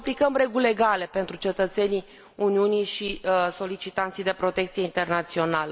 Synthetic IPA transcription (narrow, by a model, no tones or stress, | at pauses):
plikəmre̞ɡule̞ɡale̞pe̞nt̪ɾut͡ʃe̞t̪ət̪se̞ni | uniunijʃiso̞lit͡ʃit̪ant̪sijd̪e̞pɾo̞t̪e̞k̚t̪sije̞int̪e̞rnat̪sio̞nalə